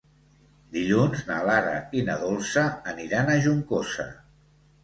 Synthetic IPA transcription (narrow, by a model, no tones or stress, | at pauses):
d̪iʎunznalaɾə̰inəðolˠsəːniɾanəʒuŋkosə̰